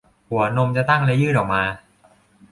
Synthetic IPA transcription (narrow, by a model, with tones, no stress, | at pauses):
hu˩˦ɐno˧mt͡ɕa˨t̪a˥˩ŋle˧˦˥jɯː˥˩t̪ʔɔː˨˩k̚maː˧